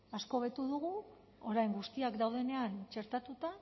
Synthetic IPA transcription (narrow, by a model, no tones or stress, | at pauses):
asko̞βe̞t̪uðuɣ̞u | o̞ɾajŋɡust̪iakd̪awð̞e̞ne̞ant͡ʃe̞ɾt̪at̪ut̪a